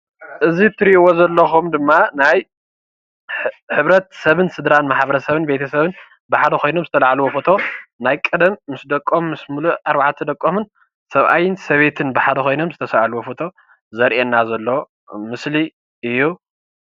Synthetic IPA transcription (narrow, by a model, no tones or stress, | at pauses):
ʔɨzit̪ʰɨɾiʔwozɐlːɐxumd̪ɨmːanaj | ħɨβɾɐt̪̚sɐβɨnsɨd̪ɾanmaħbɐɾɐsɐβɨnbet̪ʰɐsɐβɨn | bɨħad̪ɐxo̞jno̞mzɨt̪ʰɐlaʕaluwofo̞t̪ʰo̞najkʼɐd̪ɐmːɨsd̪ɐkʼːomːɨsmuluʔaɾβaʕt̪ʰːɐd̪ɐkʼːomɨn | sɐβʔa̰jɪnsɐβe̞t̪ʰɨnbɨħad̪ɐxo̞jno̞mzɨt̪ʰɐsɐβaluwofot̪ʰo̞ | zɐɾʔenːazɐlːo̞ | mɨsli | ʔɨjːu